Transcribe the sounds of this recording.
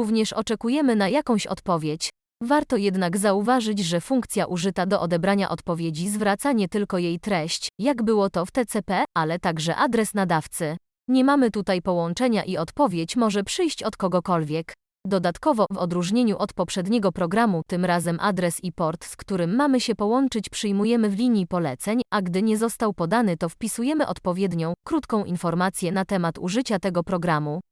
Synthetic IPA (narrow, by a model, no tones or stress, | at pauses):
uvɲɛʂɔ̰t͡ʂɛkujɛmɘnajakɔ̃w̃ɕɔ̰t̪pɔvʲjet͡ɕ | vaɾt̪ɔjɛd̪naɡzauvaʐɘt͡ɕʐɛfuŋkt̪sʲjaʔuʐɘt̪ad̪ɔʔɔd̪ɛbɾaɲa̰ʔɔt̪pɔvʲjed͡ʑizvɾat̪saɲɛt̪ɘlkɔjejt̪ɾɛɕt͡ɕjaɡbɘwɔt̪ɔft̪ɛt̪sɛpɛalɛt̪aɡʐɛ̰ʔad̪ɾɛsnad̪aft̪sɘ | ɲɛmamɘt̪ut̪ajpɔwɔnt͡ʂɛɲaʔiɔt̪pɔvʲjet͡ɕmɔʐɛpʂɘjɕt͡ɕɔt̪kɔɡɔkɔlvʲjɛk | d̪ɔd̪at̪kɔvɔvɔd̪ɾuʐɲeɲuʔɔt̪pɔpʂɛd̪ɲɛɡɔpɾɔɡɾamut̪ɘmɾazɛmʔa̰d̪ɾɛsipɔɾt̪skt̪uɾɘmːamɘɕɛpɔwɔnt͡ʂɘt͡ɕpʂɘjmujɛmɘvlʲiɲjipɔlɛt̪sɛɲaɡd̪ɘɲɛzɔst̪awpɔd̪anɘt̪ɔfpʲisujɛmɘʔɔt̪pɔvʲjɛd̪ɲɔ̃w̃kɾut̪kɔ̃w̃ʔinfɔɾmat̪sʲjɛnat̪ɛmat̪ṵʐɘt͡ɕat̪ɛɡɔpɾɔɡɾamu